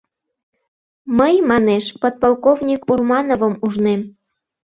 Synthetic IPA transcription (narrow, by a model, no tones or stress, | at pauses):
məjmɑneʃpot̪̚pɑlˠkovnʲikurmɑnovəmuʒnem